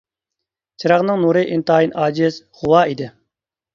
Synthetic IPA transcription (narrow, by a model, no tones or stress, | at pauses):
t͡ʃʰɨɾɑʁnɨŋnuɾɨʔint̪ɑːjinʔɑːd͡ʒɪz̥χuwɑːid̪ɪ